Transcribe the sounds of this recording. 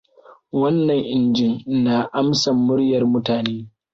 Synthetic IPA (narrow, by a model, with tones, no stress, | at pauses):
wɐ˦nːɐ˨ŋʔɪ˨nd͡ʒɪ˦nna˨ʔa˦msɐ˨mːʊ˦ɽjɐ˨rmʊ˦taː˨neː˦